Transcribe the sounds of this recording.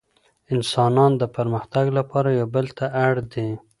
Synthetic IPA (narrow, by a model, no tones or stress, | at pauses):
ɪnsɑnɑnd̪əpaɾməxt̪aɡlapɑɾajawbəlt̪ʰaʔaɽd̪e